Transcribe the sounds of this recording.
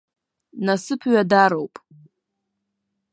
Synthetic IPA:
nasɨpʰɥadaɾowpʼ

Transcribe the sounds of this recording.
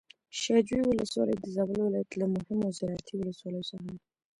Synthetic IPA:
ʃɑd͡ʒwiwʊləswɑ̰lə̰jd̪əzɑbəlwɪlɑjat̪lamʊhɪmozɪɾɑjat̪ʰiwʊləswɑləjosəaɦam

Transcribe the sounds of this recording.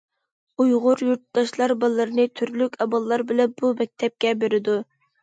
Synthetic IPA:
ujʁʊɾjuɾt̪d̪̥ɑʃlˠɑɾbɑlˠːɨɾɨnɨt̪ʰyɾlykʲʰɑbɑlˠːɑɾbɪlɛb̥umɛk̚ʲt̪ʰɛp̚kʲɛbeɾɪd̪u

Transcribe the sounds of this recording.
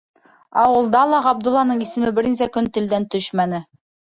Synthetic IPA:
ɑwɤ̆lˠd̪ɑlˠɑʁɑb̚d̪ŭlˠːɑnɤɴisɘ̆mɘbɘ̆ɾninsækɵnt̪ɘ̆ld̪ænt̪ɵʃmænɘ

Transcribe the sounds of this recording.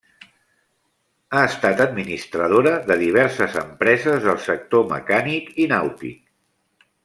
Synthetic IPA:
aəst̪at̪əd̪minist̪ɾəð̞oɾəðəðiβ̞ɛɾsəzə̰mpɾɛzəzðəlˠsək̚t̪omə̰kanikinawt̪ḭk̚

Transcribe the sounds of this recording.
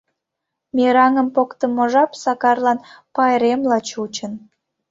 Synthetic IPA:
meɾɑŋəmpokt̪əmːoʒɑpsɑkɑrlɑnpɑjɾemlɑt͡ɕut͡ɕən

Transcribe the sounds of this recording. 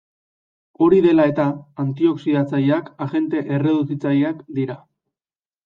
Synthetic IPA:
o̞ɾiðe̞lae̞t̪aant̪io̞ksiðat͡saʎakaʝe̞nt̪e̞ʔe̞re̞ðusit͡sajakd̪iɾa

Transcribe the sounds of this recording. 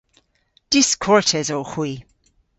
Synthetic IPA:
d̥ɪskʰɔɹtʰɛzoxwiː

